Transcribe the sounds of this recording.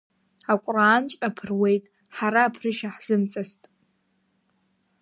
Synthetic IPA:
akʷʼraːnt͡ʃʷʼapʰɨrwe̞jtʼ | ħaɾaːpʰrɨʃaħz̥ɨmt͡sʼastʼ

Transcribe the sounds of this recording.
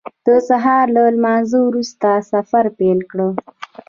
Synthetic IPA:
d̪̥əsaɦɑɾlalmɑzowɾust̪asafaɾpelkɽə

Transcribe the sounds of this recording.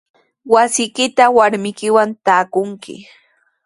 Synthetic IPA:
wasɪjkɪt̪awaɾmɪkɪwant̪aːkʊŋkɪ̰

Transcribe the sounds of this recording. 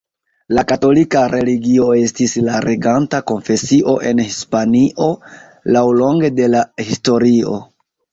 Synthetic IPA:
lakato̞likaɾe̞liɡio̞e̞stislaɾeɡantako̞nfe̞siʔo̞ʔe̞nhispaniʔo̞ | lawlo̞ŋɡe̞de̞lahisto̞ɾio̞̰

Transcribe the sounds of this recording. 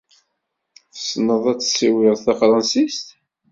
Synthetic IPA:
θə̥snəðˤæt͡sːsiwɪʁθɑqɾˤɑnsist̪

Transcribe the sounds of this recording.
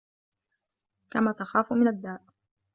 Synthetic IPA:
kamaːt̪axaːfumɪnad̪ːaːʔ

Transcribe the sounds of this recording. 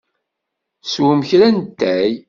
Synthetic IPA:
swəmçɾænt̪ːæj

